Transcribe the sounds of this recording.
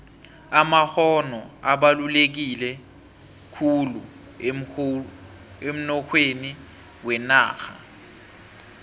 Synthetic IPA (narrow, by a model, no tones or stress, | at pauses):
amahɔnɔaɓalulek̬ilɛ | kʰulu | em̩nɔxʰweni | wɛnaːxa̰